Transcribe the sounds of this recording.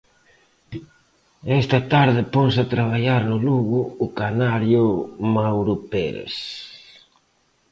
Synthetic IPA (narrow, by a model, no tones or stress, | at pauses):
ɛst̪ɐt̪aɾðɪponsat̪ɾaβ̞aʎaɾnʊluɣʊːkanaɾjʊmawɾupḛls